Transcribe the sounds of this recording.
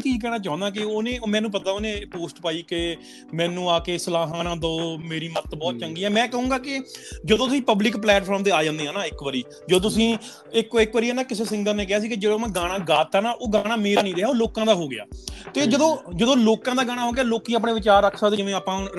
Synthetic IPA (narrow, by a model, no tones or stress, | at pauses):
t̪iːd͡ʒk̬ɛːɽãːt͡ʃaːʊ̃nd̪aːk̬ɪoːnẽːmɛ̃ːnũːp̬ət̪aːoːnẽːpoːsʈpaːiːkɪ | mɛ̃ːnũːaːkeːsəlaːɦãːnãːd̪oːmeːɾiːmət̪bɔːt̪̚t͡ʃəŋɡiːɛːmɛ̃ːkəɦũːɡaːkɪd͡ʒəd̪õt̪ʊsĩːpəblɪkplɛːʈpʰɔːɾmt̪eːaːd͡ʒãːnd̪eːɦãːnaːɪkʋəɾiː | d͡ʒəd̪õːt̪ʊsĩː | ɪkːɪkʋəɾiːɦɛːnaːkɪseːsɪ̃ŋɡəlneːk̬ɪaːs̬iːkɪd͡ʒeːɽõːmãːɡaːɽ̃aːɡaːt̪ːaːnaːʔoːɡaːɽ̃aːmeːɾaːnĩːɾeaːoːloːkãːd̪aːɦoːɡɪja̰ːt̪eːd͡ʒəd̪õːd͡ʒəd̪õːloːkãːd̪aːɡaːɽ̃aːɦoːɡɪjaːloːkĩːaːp̬ɳeːʋɪt͡ʃaːɾəkʰːaːd̪eːd͡ʒɪʋẽːaːpãː